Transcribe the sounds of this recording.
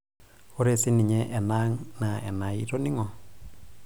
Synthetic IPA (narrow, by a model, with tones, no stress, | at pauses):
o˦ɾe˨sɪ˦ni˨ɲɛ˦ʔɛ˨na˦ŋna˨ɛ̰˨na˨i˦ɾo˦ni˦ŋɔ˨